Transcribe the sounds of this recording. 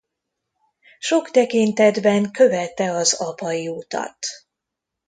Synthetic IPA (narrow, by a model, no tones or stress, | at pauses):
ʃo̞kt̪ɛkint̪ɛd̪bɛŋkø̞vɛt̪ːɛɒzɒpɒjiut̪ɒ̰t̪